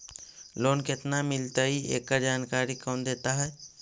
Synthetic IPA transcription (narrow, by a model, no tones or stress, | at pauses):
lonket̪namilt̪əiḛkːad͡ʒankaɾikənd̪et̪aɦəj